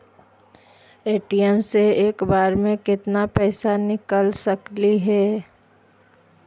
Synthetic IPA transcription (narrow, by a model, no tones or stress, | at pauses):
eːʈiɛmseeːkbaːɾmẽkɪt̪napɛːsanɪkəlsəkliɦɛː